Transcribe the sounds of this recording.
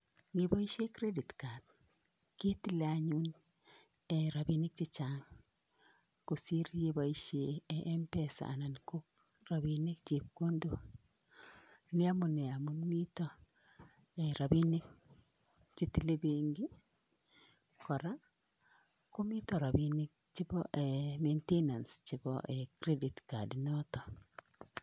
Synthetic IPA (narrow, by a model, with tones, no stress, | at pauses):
miba˦i˦ʃe˦kɾe˦di˨tka˨t | ki˦ti˦lea˨ɲu˦n | eɾa˨bi˦ni˦k̚t͡ʃit͡ʃaŋ | ko˨si˦ɾjeba˨iʃeʔːmpɛsa̰˨a̰˨na˨nko˦k̚ | ra˨βine˦kt͡ʃe˨p̚ko˦ndo˨ | ni˦a˦mu˨ne˨a˨munmi˦tɔ | eɾa˨binek̚ | t͡ʃitile˦beŋɡi˦ | kɔ˨ɾa˦ | ku˦mi˦tɔ˨ɾa˨binek̚t͡ʃi˦bɔ̰ʔementena˨nst͡ʃibɔ̰ʔekɾe˦ditka̰˨dinɔtɔ˨